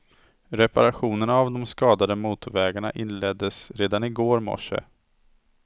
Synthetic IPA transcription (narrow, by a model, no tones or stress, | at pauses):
ɾɛpa̰ɾaɧuːnəɳaːvd̪ɔmskɑːd̪ad̪əmuːt̪ʊɾvɛːɡaɳa̰ʔɪnlɛd̪ːəsɾeːd̪anɪɡoːɾmɔ̰ʂə̰